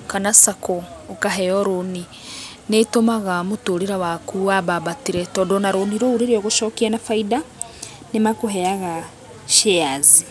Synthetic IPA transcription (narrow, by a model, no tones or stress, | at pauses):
kanasakoːkaɦejoɾoni | netomaɣamutoɾiɾawakuwaβaβatiɾetodonaɾoniɾouɾiɾioɣuʃokianafaida | nemakuɦeaɣa | ʃeazi